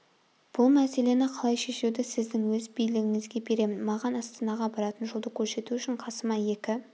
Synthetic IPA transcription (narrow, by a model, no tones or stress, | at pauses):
b̥ʊlˠmæse̞le̞nɪqʰɑlˠɑjʃe̞ʃewd̪ɪsɪzd̪ɪŋwɵzbijlɪɡʲɪŋɪzɡʲe̞be̞ɾe̞mɪnmɑʁɑnɑst̪ɑnɑʁɑbɑɾɑt̪ənʒo̞lˠd̪əkʲʰɵɾse̞t̪uʏʃɪɴqʰɑsəmɑje̞kʲɪ